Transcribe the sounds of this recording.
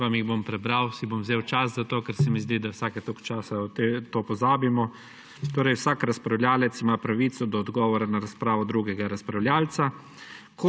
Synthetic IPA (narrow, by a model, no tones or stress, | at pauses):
ʋamjiɣbompɾɛbɾawsibomwzeːwt͡ʃaszat̪oːkɛɾsɛmizd̪id̪awsaːkɛt̪okt͡ʃaːsat̪et̪oːpɔzaːbimɔ | t̪oːɾɛjwsaːkɾaspɾawlʲjaːlɛt̪simaːpɾaʋiːt̪sɔd̪ɔːd̪ɡɔːʋɔɾanaɾaspɾaːʋɔd̪ɾuɡɛɡaɾaspɾawlʲjaːlt̪sa | ko